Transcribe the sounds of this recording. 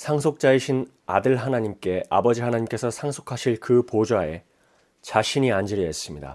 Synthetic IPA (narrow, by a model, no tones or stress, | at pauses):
sʰaŋsʰok̚t͡ɕ͈aiɕʰin | a̰dɯɭɦanaɲimk͈e̞a̰bʌd͡ʑihanaɲimk͈e̞sʰʌsʰaŋsʰokʰaɕʰiɭkɯpod͡ʑwae̞ | t͡ɕaɕʰiɲiand͡ʑiɾies͈ɯmɲida̰